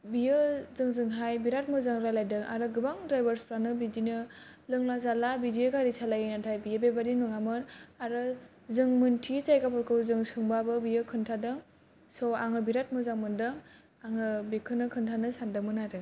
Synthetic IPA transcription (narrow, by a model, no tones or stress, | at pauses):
bijɯzɯŋzɯŋɦajbiɾat̚mɯzaŋɾalajdɯŋa̰ɾɯɡɯbaŋdɾajbaɾspɾanɯbidinɯlɯŋlazalabidijeɡaɾisalajɯjnatʰajbijebebadinuŋamɯnaɾɯ | zɯŋmɯntʰit͡ʃajkapɯɾkʰɯwzɯŋsɯŋbabɯbijɯkʰɯntʰadɯŋ | sɔaŋɯbiɾat̚mɯzaŋmɯndɯŋ | aŋɯbikʰɯnɯkʰɯntʰanɯsandɯmɯnadɯŋ